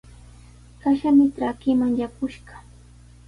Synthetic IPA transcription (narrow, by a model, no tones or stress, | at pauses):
kaʃamɪtɾakɪmaŋjakʊʃɢɑ̥